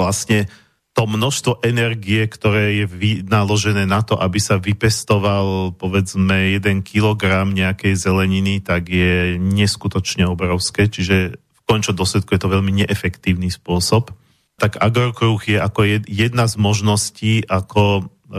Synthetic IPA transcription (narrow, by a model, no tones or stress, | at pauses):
lasɲɛ | t̪ɔmnɔʃst̪ʋɔʔɛnɛɾɡiɛkt̪ɔɾɛːjɛʋinalɔʒɛnɛːnat̪ɔʔabisaʋipɛst̪ɔʋalpɔʋɛd͡zmɛjɛd̪ɛnkʰilɔɡɾamɲɛakɛjzɛlɛɲinit̪aɡjɛɲɛskut̪ɔt͡ʃɲɛɔbɾɔʊskɛːt͡ʃiʒɛfkɔɲt͡ʃɔd̪ɔslɛt̪kujɛt̪ɔʋɛʎmiɲɛʔɛfɛkt̪iːʊnispʊɔsɔp | t̪aɡaɡɔɾkɾuɣjɛʔakɔjɛjɛd̪nazmɔʒnɔsciːʔakʰɔ